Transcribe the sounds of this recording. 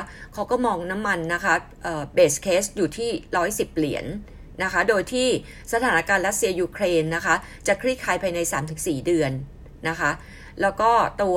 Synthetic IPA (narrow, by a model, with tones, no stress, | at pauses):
kʰa˦˥wkɔː˥˩mɔː˧ŋna˦˥mːa˧nːa˦˥kʰa˦˥ʔəː˨˩beː˨˩skʰeː˦˥st̪̚juː˨˩t̪ʰiː˥˩ɾɔː˦˥jsi˨˩p̚li˩˦ənː | a˦˥kʰa˦˥doː˧jt̪ʰiː˥˩ | sa˧aː˩˦na˦˥kaː˧nɾa˦˥t̪̚si˧ɐjuː˧kʰɾeː˧nːa˦˥kʰa˦˥ | t͡ɕa˨˩kʰɾi˥˩kʰaː˧˩jpʰaː˧jna˧jsa̰ː˩˦mt̪ʰɯ˨˩˦ŋsiː˨˩dɯ˧ənː | a˦˥kʰa˦˥ | lɛː˦˥wkɔː˥˩t̪u˧